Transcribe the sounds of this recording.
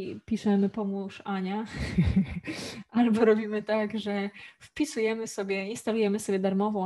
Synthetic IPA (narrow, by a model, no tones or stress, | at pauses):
pʲiʂɛmɘpɔmuʂaɲa | ʔalbɔɾɔbʲimɘt̪aɡʐɛfpʲisujɛmɘsɔbʲjɛinst̪alujɛmɘsɔbʲjɛd̪aɾmɔvɔ̃w̃